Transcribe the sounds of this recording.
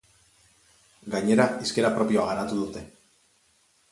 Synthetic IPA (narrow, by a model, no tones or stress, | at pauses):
ɡaɲe̞ɾaiske̞ɾapɾo̞pio̞aɣ̞anat̪uðut̪e̞